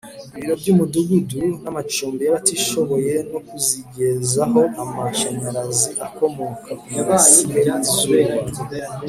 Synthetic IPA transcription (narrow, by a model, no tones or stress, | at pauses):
iβiɾo̞bɟumuduɡudunamat͡ʃuːmbejaβatiʃo̞βo̞je̞no̞kuziɟe̞zaɦo̞ʔamaʃaɲaɾaziʔako̞mo̞kʰaaβajieɾazwe